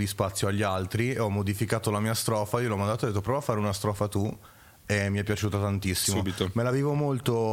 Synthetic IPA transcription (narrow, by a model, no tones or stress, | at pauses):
d̪ispat̪sːjoaʎːialt̪ɾieɔmːod̪ifikaːt̪olamiːast̪ɾɔːfaiːolɔmand̪at̪od̪et̪ːopɾɔvoafːaːɾeunast̪ɾɔːfat̪u | emːiɛpːjat͡ʃuːt̪at̪ant̪isːisuobit̪omelaviːvomolt̪o